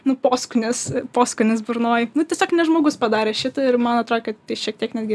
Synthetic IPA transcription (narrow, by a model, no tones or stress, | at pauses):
nʊpoːskʊnʲɪspoːskʊnʲɪsbʊrnoːjnʊtʲiɛsʲoːknʲɛʒmoːɡʊspɐd̪ɑːɾʲeːʃʲɪt̪ɐɪrmɐnɐt̪ɾoːɛkɐtt̪ʲɐɪʃʲiɛk̚t̪ʲiɛknʲæːd̪ɡʲɪ